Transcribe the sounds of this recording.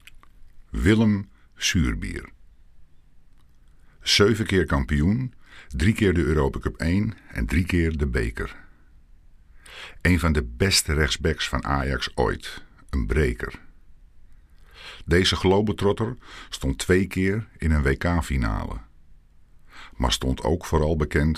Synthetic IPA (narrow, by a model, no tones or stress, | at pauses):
ʋɪlˠəm | syːrbḭər | søɥvəkɪːɹkɑmpijundrikɪːrdəøːɾoːpakøpejnɛ̰ndrikɪːrdəbḛjkə̰r | ejnvɑndəbɛstərɛxz̥bɛksfɑna̰ːjɑ̰kso̰jtənbrejkə̰r | dejzəχlowbətrɔtərstɔntʰːʋejkʰɪːrɪnənʋejkaːfina̰ːlə̰ | ma̰ɹstɔntʰo̰wkfoːɾɑlˠbəkɛnt